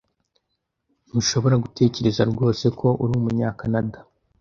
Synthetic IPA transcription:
n̥uʃo̞βo̞ɾaɡutʰe̞ːce̞ɾe̞zaɾɡo̞ːse̞kʰo̞ʔuɾuːmuɲɲaːkanada

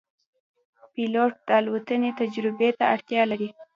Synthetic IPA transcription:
piloʈ̚d̪̥alwat̪ənet̪ad͡ʒɾɪbet̪aaɽt̪jɑlaɾi

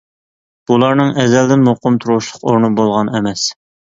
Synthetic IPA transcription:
b̥ulˠɑɾnɨŋɛzɛld̪ɪnmoqʊmt̪ʰuɾwʊʃlˠʊqoɾnɨbolˠʁɑnɛmɛs

